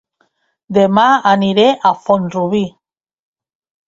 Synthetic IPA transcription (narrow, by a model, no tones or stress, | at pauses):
d̪emaaniɾeʔafonruβi